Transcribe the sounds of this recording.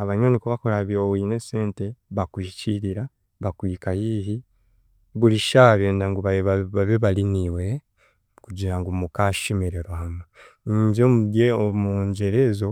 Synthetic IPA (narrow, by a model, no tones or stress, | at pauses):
aβaɲonikuβakuɾaβiɾowiːneseːnte̞βakwiːciɾiɾa | βakwiːkajiɦi | βuliʃaβjeːndaŋɡuβaβaβaβeβaliniwe | kuɟiɾaŋɡumukaʃimiɾeɾohama | ɲɟomuɡeomuɲɟeɾezo